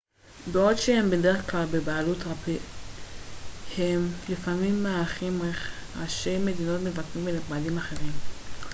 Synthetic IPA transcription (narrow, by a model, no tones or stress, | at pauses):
beodʃehembedeʁeχklalbebaalutʁapi | hemlifamimːaaaχimeχaʃeme̞dino̞tmevakimeniχmadimaχe̞ʁim